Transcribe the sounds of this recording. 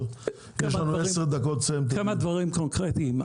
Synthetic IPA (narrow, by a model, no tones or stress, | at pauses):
jaʃlanueseʁd̪akot̪t͡semt̪̬kamad̪vaʁimkonkʁet̪iːm